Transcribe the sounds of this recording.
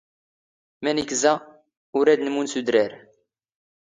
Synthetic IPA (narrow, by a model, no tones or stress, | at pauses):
mænikzæ | ʊɾæd̪nəmunsud̪ɾæɾ